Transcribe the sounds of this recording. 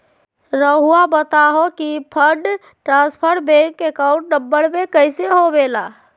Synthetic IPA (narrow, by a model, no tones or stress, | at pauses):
ɾəɦuabət̪aɦokipʰəɾɖ | ʈɾãspʰəɾbẽkːekaʊ̃ɳʈ̚ɖəbːəɽmekəɪseɦobela